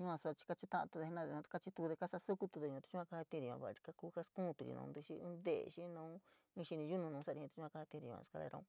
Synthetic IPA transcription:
ɲũ˧ã˧sa˧t͡ʃi̥˧ka˧t͡ʃi˧t̪ã˦ʔa̰˧t̪u˧ðe˧e˧nã˦ðẽ˧˨˧ka˧t͡ʃi˧t̪u˧ðe˧ka˦sa˦˧su˦ku˧t̪u˧ðe˧ɲ̃˧t̪i̥˧˦ũ˦ã˧ka˧ha˧t̪ĩ˧ɾĩ˨˧ã̰˧βa˧˨˧ɾi̥˧ka˦kuː˦˧ka˦skũː˦˧t̪u˧ɾḭ˧nṵ̃˧d̪ɨ˧ʃḭ˦ḭ̃ː˦nd̪ḛ˦˨˧ʃi˦nũː˧˦ | ĩ˦˧ʃi˧nĩ˧u˦nũ˧nũː˨˧˦sa˦˧ɾi˧ĩ˧t̪i˧˦ũ˦ã˧ka˧a˧t̪ĩ˧ɾḭ̃˧˨˧ã̰˧ka˧ðḛ˧ɾʔã̰˧ũ˧

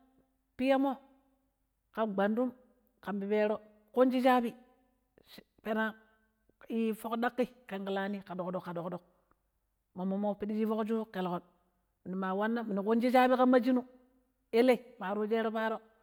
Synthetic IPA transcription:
pi˦ja˦mo˦ | ka˨ɡ͡ba˨ndu˦m | ka˨mbi˨pe˦ɾo˦ | ko˦nd͡ʒi˦t͡ʃa˦bi˦ | pe˦na˦ | i˦fo˦kda˦kːi˦ka˨ŋki˨la˦ni˦ka˨do˨kdo˨kːa˨do˨kdo˨k̚ | mo˨mːo˨mo˦pi˦di˦d͡ʒi˦fo˦kd͡ʒu˦ke˨lko˨n | mi˨ni˨ma˨wa˦nːa˦mi˨ni˨ko˦nd͡ʒi˦t͡ʃa˦bi˦ka˦mːa˦d͡ʒi˦nu˦ | e˦le˦i˨ma˨ɾu˦d͡ʒe˦ɾo˦pa˦ɾo˦

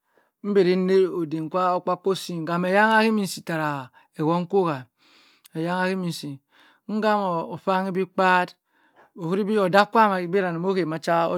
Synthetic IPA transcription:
m̩˦be˨ɾi˦ne˦o˨de˨ŋ˨kʷa˦o˦k͡pa˦kːo˦si˦ŋ˨ɡa˨me˨ja˦ŋa˦ki˦mi˨n˨si˨ta˨ɾa˨ | e˨ɡo˦ŋ̩˦ko˦ɣa˨ | e˨ja˦ŋa˦ki˦mi˨n˨si˨ | ŋ̩˦ɡa˦mo˨o˨fa˦ŋi˦bi˦k͡pa˦d | o˨hu˦ɾi˦bi˦o˨da˦kʷa˦˨ma˨i˦bi˦ɾa˨ni˨mo˦ke˨ma˨t͡ʃa˦o̰˦

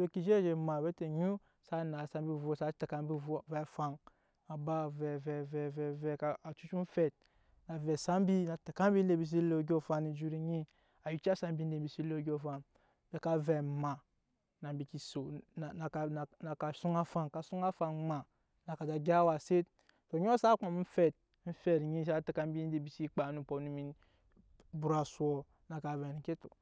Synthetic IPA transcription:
o˦ki˨d͡ʒe˦d͡ʒe˨ma˨ve˦te˨ɲu˦ | sa˦na˨sa˦mbi˦˨vo˨sa˦ta˨ka˦m˦bi˦vo˦vɛ˨fa˦˨ŋ | a˨ba˦vɛ˨vɛ˨vɛ˨vɛ˨vɛ˨ka˨a˨t͡ʃu˦t͡ʃu˦n˦fɛ˨t̚ | na˨vɛ˨sa˦m˦bi˦na˨ta˨ka˦mbi˦n˦de˨bi˨s̬i˦lo˨˦ɡʲo˦˨fa˦ni˨d͡ʒu˦ɾi˦ɲi˦ | a˨ju˦t͡ʃa˦sa˦m˦bi˦n˦de˨bi˨si˦lo˦ɡʲo˨fa˨n | be˨ka˨vɛ˨ma˨ | na˨m˦bi˨ki˨so˨na˨n˨na˨ka˨su˦ŋa˦fa˨nka˨su˦ŋa˦fa˨n˦ma˨ | na˨ka˨da˨ɡʲa˦wa˨se˦t | to˨˦ɲ˦o˦sa˦k͡pa˨m˦n̩˦fɛ˦˨t̚n̩˦fɛ˦˨ɾɲi˦sa˦ti˨ka˦m˦bi˦n˦e˨bi˨si˦k͡pa˨nu˨po˨nu˨mi˨˦n | bu˨ɾa˨su˦ɔ˨ | na˨ka˨vɛ˨n˨˦ke˦tṵ˨

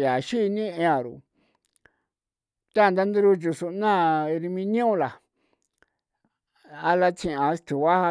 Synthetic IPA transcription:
ja˨ʃi˦˧nĩ˦ẽ˧ã˨ɾṵ˨ | t̪a˦˨nd̪a˧nd̪u˧ɾu˧t͡ʃu˧su˧nã˦˧ɾi˧mĩ˧nĩ˦ũ˧la˨ | a˧la˧t͡sĩ˧ʔã˧˦st̪u˨βa˦ha˧

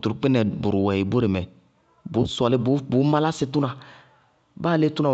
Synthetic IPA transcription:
tu˨ɾk͡pɪ˦nɛ˨bʊ˨ɾu˨wɛ˨i˨bu˦ɾe˨mɛ˨ | bo˨˦sɔ˨lɪ˦bu˦bu˨˦ma˦la˦sɪ˨tu˦nã˨ | baː˦˨le˦tu˦nã˨

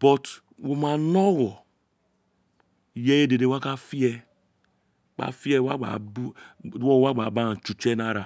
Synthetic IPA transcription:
b̥ɔ˨t | wo˨ma˨nɔ˦wɔ˨ | jɛ˦je˦de˨de˨wa˦ka˦fi˦ɛ˦ | k͡pa̰˨fi˦ɛ˦wa˦ɡ͡ba̰˨u˦wo˦wa˦ɡ͡ba˨ba˦˨t͡ʃu˨t͡ʃɛ˦na˦ɾa˨

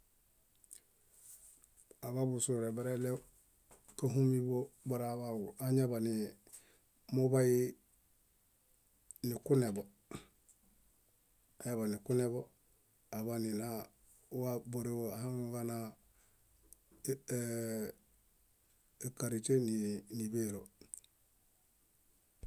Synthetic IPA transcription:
a˨βa˦bu˨su˨ɾe˨ba˦ɾe˦le˦ | ka˦ɦu˦mi˦bo˦ba˦ɾa˨βa˨wu˨a˦ɲa˦ba˨ni˨ | mu˦ba˦i˦ | ni˨ku˦ne˨bo˨ | a˨ɲa˦βa˨ni˨ku˦ne˦bo˦ | a˨βani˨na | wabo˨ɾe˦oaha˦ɡana | e˨kaɾi˨t͡ʃe˦nini˨beɾo˨

